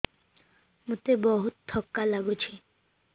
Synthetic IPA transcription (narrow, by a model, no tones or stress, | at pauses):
mut̪ebɔɦut̪̚t̪ʰːɔkːalaɡut͡ɕʰi